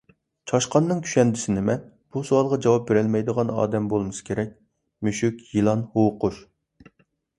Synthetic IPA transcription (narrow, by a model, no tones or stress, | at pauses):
t͡ʃʰɑʃqɑnːɨŋkʲʰy̥ʃɛnd̪ɪsɪnɪmɛn | b̥usowɑlˠʁɑd͡ʒɑwɑp̚beɾɪlmɛjd̪əʁɑnɑ̰ːd̪ɛmbolˠmɨsɨ̥kʲʰeɾɛk̚ʲ | myʃykʲjilˠɑnhowqʊʃ